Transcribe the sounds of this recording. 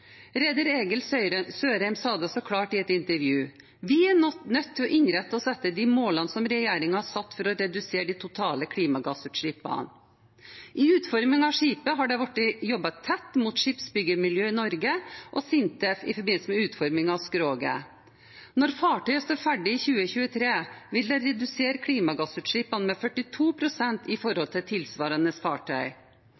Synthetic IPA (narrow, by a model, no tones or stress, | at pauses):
ɾɛd̪əɾeːɡəlsøːɾæɪmsɑːd̪əsɔkʰlɑːʈɪɛt̪ɪnt̪əɾʋjʉː | ʋɪæɔnœt̪ʰːɪlɔʔɪɲɾɛt̪ːəɔsɛt̪ːəd̪imoːlɑnsɔmɾɛjeːɾɪŋɑhɑɾsɑt̪ːfɔɾɔɾɛd̪ʉseːɖ̪it̪ʰʊt̪ʰɑːləkʰɽiːmɑɡɑːsʉːt̪ʂɭiːpɑ̰n | ʔɪʉːt̪fɔɾmɪŋɑʋʂiːpəɦɑɖɛʋɑʈːjɔbːɑt̪ʰːɛt̪ːmuːt̪ʂɪːpsbʏɡəmɪljøːɪnɔɾɡəʔɔsɪnt̪ɛfɪ̰fɔɾbɪnləsəmɛʉːt̪fɔɾmɪŋɑʋskɾoːɡə̰ | nɔɾfɑːʈœʏəst̪oːɾfæɖɪɪçʉːəçʉːət̪ʰɾeːʋɪld̪ɛɾɛd̪ʉseːɾkʰɽiːmɑɡɑsʉːt̪ʂɭiːpɑnmefœʈːɪt̪ʰuːpʰɾʊsɛnt̪ɪfɔɾhɔlt̪ʰɪlt̪ʰɪlsʋɑːɾɑnəsfɑːʈʰœʏ